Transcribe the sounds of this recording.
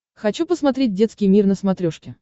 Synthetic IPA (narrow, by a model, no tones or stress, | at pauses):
xɐt͡ɕupəsmɐt̪ɾʲet̚ʲdʲe̞t̪skʲɪjmʲirnəsmɐt̪ɾʲoʂkʲɪ